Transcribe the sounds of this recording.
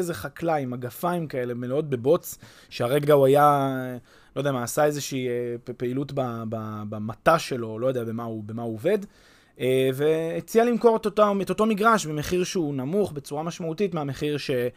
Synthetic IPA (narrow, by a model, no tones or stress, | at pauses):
ezeχaklaimaɡafaimkae̞lemelot̚be̞bo̞t͡s | ʃeaʁe̞ɡauaja | lojd̪eamaːsae̞zeʃiːepeilutbababamataʃe̞lo̞lojodejabe̞maubemauove̞d̪ | eve̞ːt͡sialimko̞ʁetotaeto̞to̞miɡʁaʃbemeχiʁʃeunamuχbe̞t͡suʁamaʃmautitmeame̞χiʁʃe̞